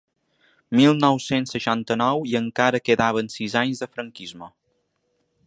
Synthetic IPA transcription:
milˠnɔwsensːəʃant̪ənɔwiəŋkaɾəkeðaβ̞ənsizaɲzðəfɾəŋkizmə

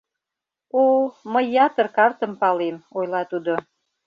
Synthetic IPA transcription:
oməjːɑt̪ərkɑrt̪ə̆mpɑlemojlɑt̪ud̪o

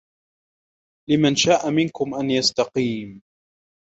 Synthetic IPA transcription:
lɪmanʃaːʔamɪnkʊmʔanjast̪ɑqiːm

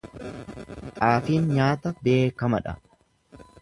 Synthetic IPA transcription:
t̪ʼaːfiːnɲaːt̪ɐbe̞ːkɐmɐᶑɐ̰

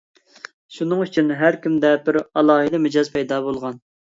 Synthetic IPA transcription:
ʃunɨŋyt͡ʃʰinɦæɾkʲimd̪ɛbɪɾɑlˠɑːɦɨd̪ɨmɪd͡ʒɑzpʰɛjd̪ɑbolˠʁɑn

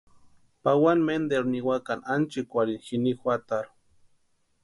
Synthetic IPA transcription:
pawanmend̪eɾniwakanant͡ʃikʷaɾinxinixʷat̪aɾu

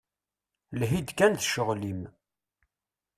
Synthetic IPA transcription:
lɦid̪kænθʃəʁlim

